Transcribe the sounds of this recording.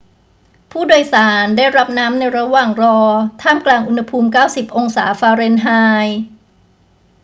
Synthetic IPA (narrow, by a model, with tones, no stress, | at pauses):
pʰuː˥˩doː˧jsaː˩˦ndaː˥˩jɾa˦˥p̚naː˦˥mna˧jɾa˧waː˨˩ŋɾɔː˧t̪ʰaː˥˩mklaː˧ŋʔu˧nha˧pʰuː˧mkaː˥˩wsi˨˩p̚ʔo˧ŋsaː˩˦faː˧ɾe˧nɦaː˧j